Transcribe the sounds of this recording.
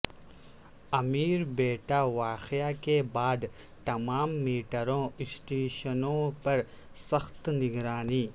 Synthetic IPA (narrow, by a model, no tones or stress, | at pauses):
ɐmiːɾbeːʈaːʋaːxɪjaːkebaːd̪ | t̪ɐmaːmːiːʈəɾõɪsʈeːʃənõːpɐɾ | sɐxt̪nɪɡɾaːniː